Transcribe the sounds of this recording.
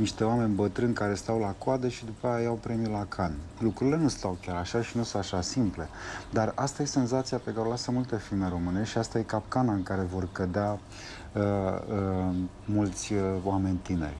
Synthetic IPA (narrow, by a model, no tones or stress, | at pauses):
niʃt̪e̞oame̞nʲbət̪ɾɨnkaɾe̞st̪awlakoad̪əʃid̪upajajawpɾe̞mjulakʰanlukɾuɾile̞nust̪awkʲaɾaʃaʃinusũnt̪aʃasimple̞d̪arast̪aje̞se̞nzat̪siape̞kaɾelasəmult̪e̞filme̞ɾo̞mɨneʃiast̪aje̞kapkanaɨŋkaɾe̞vo̞rkəd̪ea | əə | mult̪sʲoame̞nʲt̪inḛrʲ